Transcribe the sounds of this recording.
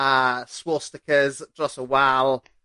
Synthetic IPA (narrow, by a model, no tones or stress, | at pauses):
əswɔːstɪkʰəzd̥rɔsəwalˠ